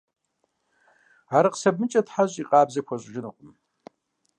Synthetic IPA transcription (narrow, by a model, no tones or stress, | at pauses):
aɾaqsɐb̚mɨt͡ʃʼɐtħaʑʼiqʼaːbzɐkʷʰaɕʷʼʒɪnɨqʷʼʊm